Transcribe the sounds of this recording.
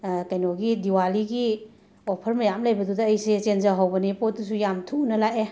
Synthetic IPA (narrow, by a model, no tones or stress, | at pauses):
kɐjnoɡidiwaliɡi | opʰɐɾmɐjamlajbɐdudɐːjset͡ʃenzaɦawbɐnipot̚dusujamtʰunɐlaʔe